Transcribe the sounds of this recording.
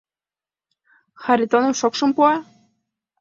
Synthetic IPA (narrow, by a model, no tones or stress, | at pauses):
xaɾʲit̪onɤ̆mʃokʃɤ̆mpuɑ